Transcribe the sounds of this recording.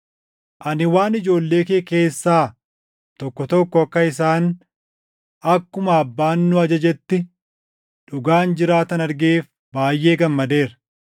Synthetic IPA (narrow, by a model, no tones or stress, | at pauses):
ʔɐnɪwaːnɪd͡ʒo̞ːlːe̞ːkeːke̞ːsːaː | t̪ɔkːɔt̪ɔkːɔɐkːɐɪs̬aːn | ɐkːʊmɐːbːaːnːʊɐd͡ʒɐd͡ʒɛt̪ːɪ | ᶑʊɡaːnd͡ʒɪɾaːt̪ɐnɐɾɡeːf | baːjʔe̞ːɡɐmːɐd̪e̞ːɾɐ